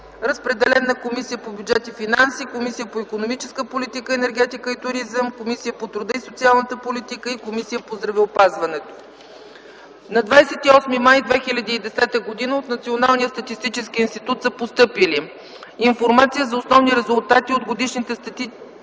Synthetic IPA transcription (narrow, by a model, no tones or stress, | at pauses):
ɾəspɾɛd̪ɛlɛnəkomisijəpobʲjud͡ʒɛt̪ifinansikomisijəpoikonomit͡ʃɛskəpolit̪ikəɛnɛɾɡɛt̪ikəit̪ʊɾizəmkomisijəpot̪ɾud̪əisot̪sialˠnət̪əpolit̪ikəikomisijəpozd̪ɾɐvɛopazvɐnɛt̪o̥ | nɐd̪vajsɛt̪iɔsmimajd̪vɛxilʲɐd̪iːd̪ɛsɛt̪əɡod̪inəot̪nɐt̪sionalˠnijəst̪ət̪ist̪it͡ʃɛsk̟iinst̪it̪ut̪səpost̪ɤpili | infoɾmat̪sijəzɐosnɔvniɾɛzʊlˠt̪at̪iod̪ɡod̪iʃnit̪ɛst̪t̪i